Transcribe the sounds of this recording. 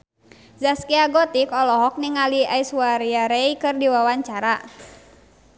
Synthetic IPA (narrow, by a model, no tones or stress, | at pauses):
zaskiaɡɔt̪ikɔlɔɦɔk̚niŋaliaisuwaɾiaɾɛikɨrdiwawaɲt͡ʃaɾa